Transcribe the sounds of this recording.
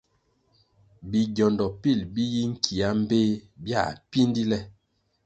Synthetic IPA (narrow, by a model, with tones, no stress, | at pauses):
bi˨ɡɔ˨ndɔ˨pi˦˨lbi˦ji˦ŋ̩˦kʰi˨a˦m̩˦be˦bja̰˦˨pi˦ndi˦lɛ˦